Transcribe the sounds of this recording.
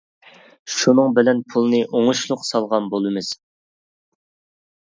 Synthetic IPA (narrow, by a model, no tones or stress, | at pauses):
ʃunɨŋbɪlɛnpʰulˠɨnɨʔoŋuʃlˠʊqsɑlˠʁɑnbolˠɨmɨz̥